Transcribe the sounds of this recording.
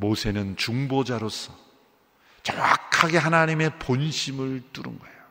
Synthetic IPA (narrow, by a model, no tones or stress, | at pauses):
mosʰe̞nɯnt͡ɕuŋbod͡ʑaɾosʰʌ | t͡ɕʌŋakʰaɡe̞ɦanaɲime̞ponɕʰimɯɭt͈uɾɯ̰nɡʌejo